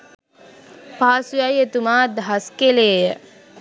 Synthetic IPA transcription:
paːsujajet̪umaːd̪aɦaskeleːjə

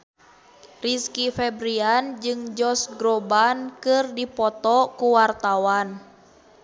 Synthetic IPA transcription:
riskifɛbɾiand͡ʒɨŋd͡ʒɔsɡɾɔbankɨrdipɔt̪ɔkuwart̪awan

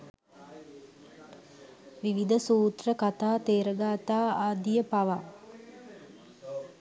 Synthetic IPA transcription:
ʋiʋid̪əsuːt̪rəkat̪aːt̪eːɾəɡaːt̪aːaːd̪ijəpaʋa

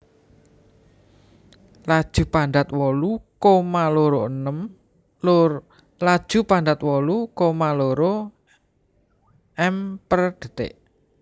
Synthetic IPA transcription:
lad̥ʒ̥ṳpaɳd̪at̪̚wɔlukomaloɾoənəm | lʊ | lad̥ʒ̥ṳpand̪at̪wɔlukomaloɾo | ɛmpərd̪̥ə̤t̪ḛʔ

